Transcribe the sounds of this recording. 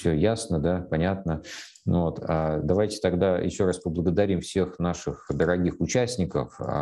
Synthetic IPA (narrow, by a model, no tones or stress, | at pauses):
sʲɵjasnəd̪apɐnʲat̪nə | nvo̞t̪ʰad̪ɐvajtʲɪ̥t̪ɐɡd̪ajʔɪ̰ɕːo̞ɾaspəblˠəɡəd̪ɐɾʲimfsʲe̞xnaʂɨxd̪əɾɐɡʲixʊt͡ɕæsʲnʲɪkə̰f